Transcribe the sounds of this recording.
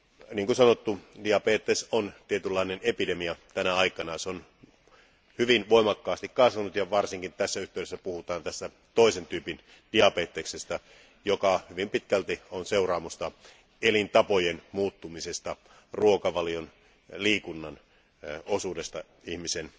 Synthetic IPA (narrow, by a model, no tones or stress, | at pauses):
niːŋkusɑnot̪ːudiɑpeːt̪ːesont̪iet̪ylːɑinenepidemiɑt̪ænæɑikɑnɑseon | hyʋinʋoimɑkːɑːst̪ikkɑsʋɑnut̪jɑʋɑrsiŋkint̪æsːæyht̪eywɾesːæpuhut̪ɑːnt̪æst̪æ | t̪oˑisent̪yːpin | d̥iɑpeːt̪ːeksest̪ɑ | jokɑhyʋimpit̪kælt̪ionseurɑːmust̪ɑ | elint̪ɑpojenmuːt̪ːumisest̪ɑ | ruokɑʋɑlijon | liːkunːɑn | osuːdest̪ɑ | ihmisen